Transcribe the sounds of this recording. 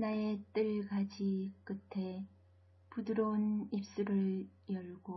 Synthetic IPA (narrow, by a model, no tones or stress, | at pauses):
nae̞t͈ɯɭɡad͡ʑik͈ɯtʰe̞ | pudɯɾonip̚s͈uɾɯɭ | jʌɭɡo